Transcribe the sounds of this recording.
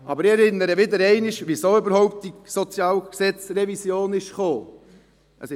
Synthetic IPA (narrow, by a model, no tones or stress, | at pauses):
ɑbəɾɪɛɾɪnːəɾəʋɪd̪əɾɛɪnɪʃʋisoːʏbəɾhɔʊp̚tisɔt͡sjɑːlksɛt͡srɛvisjoːnɪʃχoː | əsɪ